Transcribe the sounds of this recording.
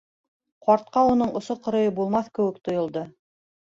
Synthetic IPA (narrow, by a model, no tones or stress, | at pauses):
qɑɾt̪̚qɑunɤɴʔŏsoqŏɾɤ̆jɤbulˠmɑθkɘ̆wɘ̆k̚t̪ŏjŏlˠd̪ɤ